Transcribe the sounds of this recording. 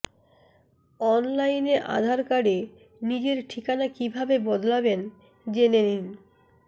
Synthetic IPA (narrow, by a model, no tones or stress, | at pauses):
ɔnlajneʔa̰d̪ʱaɾkaɽe | nid͡ʑeɾʈʰikanakibʱabebɔd̪laben | d͡ʑenenin